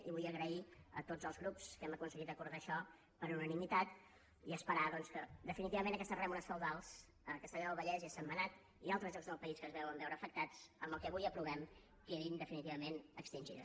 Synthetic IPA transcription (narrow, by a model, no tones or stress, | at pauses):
ḭβujəɣɾəiə̰t̪ozəlˠzɣɾupskɛməkunsəɣit̪əkuɾðaːʃɔ | pəɾunənimit̪at̪ | iəspəɾaðɔnskəd̪əfinit̪iβəmẽnəkɛst̪ərɛmuɾəsfəwðalˠs | əkəst̪əʎɔəlˠβəʎɛziasəmbənat̪ | ialˠt̪ɾəzʎɔkzðəlˠpəiskəzβɛwəmbɛwɾəːfək̚t̪at͡səmbəlˠkɛβujəpɾuβɛm | keðind̪əfinit̪iβəmenəkst̪inʲʒḭðə̰